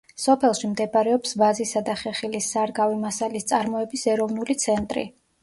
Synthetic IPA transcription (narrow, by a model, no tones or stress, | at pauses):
sɔpʰɛlˠʃimd̪ɛpaɾɛɔpsvazisad̪aχɛχilisːaɾɡavimasalist̪sʼaɾmɔɛbisɛɾɔvnulit̪sʰɛnt̪ʼɾḭ